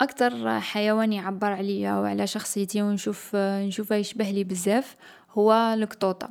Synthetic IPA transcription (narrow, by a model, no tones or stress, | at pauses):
ʔɑkt̪ɑɾˤħajæwænjʕabːəɾˤʕliwʕlæʃɑxsˤəjt̪iwnʃufnʃufæjəʃbəhlibəzːæf | hʊwːæləkt̪ˤut̪ˤɑ̰